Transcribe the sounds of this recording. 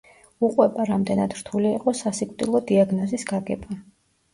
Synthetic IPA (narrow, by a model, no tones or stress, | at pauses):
uqʼwɛbaɾamd̪ɛnad̪ɾt̪ʰuliːqʼɔsasikʼt̪ʼilˠɔd̪iaɡnɔzisɡaɡɛba